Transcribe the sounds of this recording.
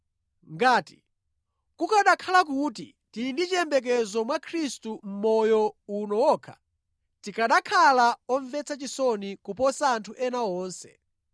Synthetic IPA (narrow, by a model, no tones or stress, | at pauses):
ŋɡaːti | kukaɗakʰalakutḭ | tindit͡ʃiɛmbɛk̬ɛzɔmwakʰɾistum̩mɔjɔunɔwɔːkʰḁ | tikaɗakʰalaɔɱvɛt͡sʰat͡ʃisɔnikupɔsaːntʰuʔɛnaɔːnsɛ̰